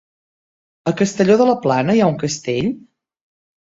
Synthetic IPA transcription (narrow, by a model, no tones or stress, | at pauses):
əkəst̪əʎoðələplanəjauŋkəst̪eʎ